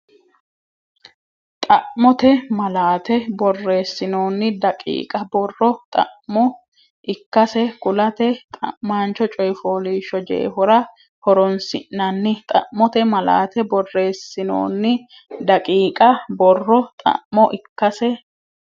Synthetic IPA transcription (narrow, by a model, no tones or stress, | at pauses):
t̪ʼɐʔmɔt̪ɛmɐlaːt̪ɛbɔrːe̞ːsːɪno̞ːnːɪd̪ɐkʼḭːkʼɐbɔrːɔt̪ʼɐ̰ʔmɔ | ʔɪkːɐsɛkʊlɐt̪ɛt̪ʼɐ̰ʔmaːnt͡ʃɔt͡ʃʼɔjfoːliːʃɔd͡ʒḛːhɔɾɐ | hɔɾɔnsɪ̰ʔːɐnːɪt̪ʼɐ̰ʔmɔt̪ɛmɐla̰ːt̪ɛbɔrːe̞ːsːɪno̰ːnːɪ | d̪ɐkʼiːkʼɐbɔrːɔt̪ʼɐ̰ʔmɔʔɪkːɐsɛ